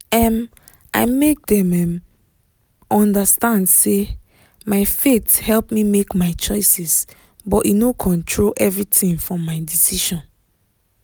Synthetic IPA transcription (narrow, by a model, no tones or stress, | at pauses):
ɛ̃m | ʔa̰ɪmek̚dɛ̃mɛ̃m | ɔ̃ndəstãndse | maɪfethɛlˠpmimekmaɪt͡ʃɔɪsɛs | bɔtinokʰɔ̃ntʰɹolʔɛvɹitĩŋfɹɔ̃maɪdisiʃɔ̃n